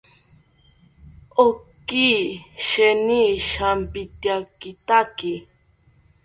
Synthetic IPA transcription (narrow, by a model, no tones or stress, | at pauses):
okiʃɛniʃampit̪jakɪt̪aki